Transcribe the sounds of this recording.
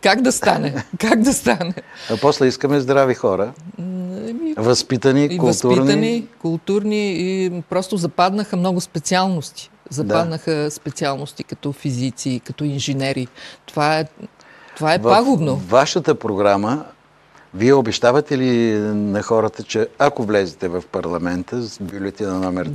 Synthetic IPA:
kaɡd̪ɐst̪anɛkaɡd̪ɐst̪anɛɐpɔslɛiskəmɛzd̪ɾavixɔɾə | mvɐspit̪əniikʊst̪uiɾnənikʊlˠt̪uɾniipɾɔst̪ozɐpad̪nəxəmnɔɡʊspɛt̪sialˠnost̪i̥ | zɐdp̪ad̪nəxəspɛt̪sialˠnost̪ikɐt̪ɔfizit̪sikɐt̪ɔinʒɛnɛɾit̪ovaɛ | t̪ovaɛvpaɡod̪novːaʃət̪əpɾoɡɾamə | viɛobɛʃt̪avɐt̪ɛlinɐxɔɾət̪ət͡ʃɛakovlɛzɛt̪ɛvɐfpɐɾlˠɐmɛnt̪əbʲulʲɛt̪inɐnɔmɛɾ

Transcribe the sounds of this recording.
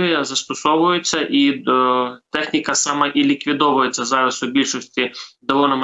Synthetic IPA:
ijɐzɐst̪ɔsɔʋʊjʊt͡sʲːɐʔi | t̪ɛxnʲikɐsɑmɑʔilʲikʋʲid̪ɔʋʊjet͡sʲːɐzɑʋʲɪsʊbʲilʲʃɔsʲtʲid̪ɔʋɔnɐm

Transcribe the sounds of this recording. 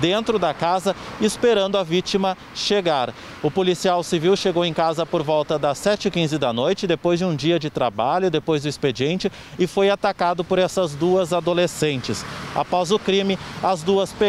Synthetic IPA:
d̪ẽnt̪ɾʊd̪ɐkazɐɪspeɾɐ̃nd̪ʊɐvit͡ʃimɐ | ʃeɡaɾ | ʊpolisiawsiviwʃeɡowẽj̃kazɐpoɾvɔwt̪ɐd̪ɐsɛt͡ʃɪkĩzɪd̪ɐnojt͡ʃɪd̪epojzd͡ʒɪũd͡ʒiɐd͡ʒɪt̪ɾabaʎʊd̪epojzd̪ʊisped͡ʒiẽnt͡ʃɪ | ɪfojat̪akad̪ʊpoɾɛsɐzd̪uɐzad̪olesẽnt͡ʃɪsa̰pɔzʊkɾĩmɪɐzd̪uɐspe

